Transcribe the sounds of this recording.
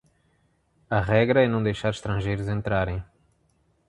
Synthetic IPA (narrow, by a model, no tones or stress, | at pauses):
ɐʁɛɡɾɐɛnɐ̃w̃d̪ejʃaɾɪʃt̪ɾɐ̃ʒejɾʊzẽnt̪ɾaɾẽj̃